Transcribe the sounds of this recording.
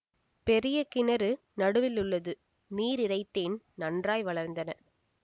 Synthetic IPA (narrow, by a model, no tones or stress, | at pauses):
pɛɾɪjɐkɪnɐɾɯ | nɐɽɯʋɪlɯɭːɐðɯ | niːɾɪɽɐɪt̪ːeːn | nɐndraːjʋɐɭɐɾnd̪ɐnɐ